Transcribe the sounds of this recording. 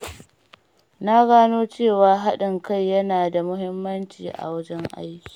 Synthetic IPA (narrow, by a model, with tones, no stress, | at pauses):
na˦ɡaː˦noː˦t͡ʃeː˦˨waː˦ɦa˦ɗɪ˨ŋka˦˨jːɐ˦naː˨da˨mʊ˦ɦɪ˦mːɐ˦nt͡ʃḭː˨ʔa̰˨wɐ˦d͡ʒɛ˦ŋʔa̰˦jkʲi̥ː˨